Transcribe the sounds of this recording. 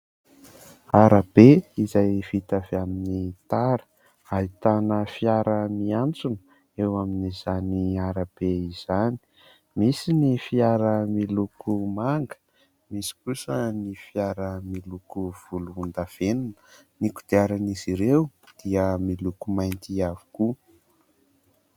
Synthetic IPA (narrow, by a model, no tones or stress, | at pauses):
aɾab̥eizajv̥it̪aveaminit̪aɾə̥ | ait̪anəfiaɾəmiant͡sunə | ewaminizaniaɾab̥eiz̥ani̥ | misinifiaɾəmilukumaŋɡə̥ | misi̥kusənifiaɾəmilukuv̥uluund̪av̥enunə | niku̥d̪̥iaɾaniziɾewd̪̥iəmilukumajnt̪iav̥u̥ku